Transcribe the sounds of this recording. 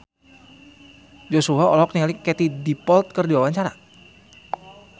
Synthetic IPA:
d͡ʒosuɦaɔlɔk̚niŋalikɛt̪idipɔlt̪̚kərdiwawaɲt͡ʃaɾa̰

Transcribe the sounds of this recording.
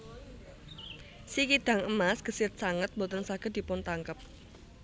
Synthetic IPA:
sikid̪̥ä̤ŋəmasɡ̥ə̤sɪt̪̚saŋət̪̚bot̪ənsaɡ̥a̤d̪̥i̤pʊnt̪aŋkəp̚

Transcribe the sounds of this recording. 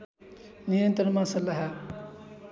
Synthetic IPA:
nijənt̪ɾənmãsəlaɦɛ

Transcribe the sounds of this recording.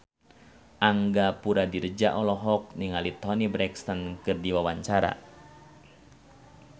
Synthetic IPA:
ʔaŋɡapuɾadiɾəd͡ʒaʔɔlɔɦɔk̚niŋalit̪ɔnibɾɛkst̪ankɨrdiwawaɲt͡ʃaɾa̰

